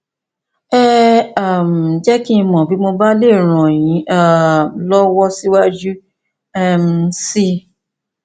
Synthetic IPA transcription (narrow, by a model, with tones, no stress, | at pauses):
ɛ˦a˨m̩˨d͡ʒɛ˦kĩ˦˧mɔ̃˨bi˨˦mo˧ba˦le˦˨ɾ̃ɔ̃˨j̃ĩ˨˦ʔa˦˨m˨lɔ˦wɔ˦si˦wa˦d͡ʒu˦ | ɛ˦˧msi˦˨